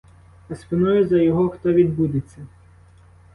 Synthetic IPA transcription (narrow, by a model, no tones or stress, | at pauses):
ɐspʲɪnɔjʊzɐjɔɦɔxt̪ɔʋʲid̪bud̪ɪt͡sʲːɐ